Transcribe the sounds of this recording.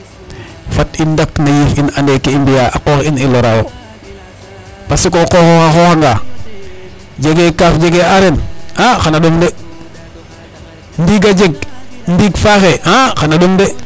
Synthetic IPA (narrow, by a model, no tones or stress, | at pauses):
fatindaknajifinandekeimbijaʔakoxiniloɾawo | pasikokoxoxaxoxaŋɡa | d͡ʒeɡekafd͡ʒeɡeaɾenaxanaɗomde | ndiɡad͡ʒeɡ̚ndiɡfaxeaxanaɗomde